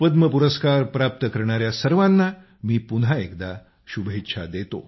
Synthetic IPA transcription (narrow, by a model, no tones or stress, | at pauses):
pəd̪məpuɾəskaɾpɾap̚t̪əkəɾɳ̃aɾjasəɾʋanːa | miːpunɦaekd̪a | ɕubɦet̪ːɕʰa̰d̪et̪o̰